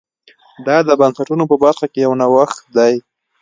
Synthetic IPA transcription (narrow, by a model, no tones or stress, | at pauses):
d̪ɑd̪əbansaʈunopəbaɾxakejawnawaxt̪̚d̪aj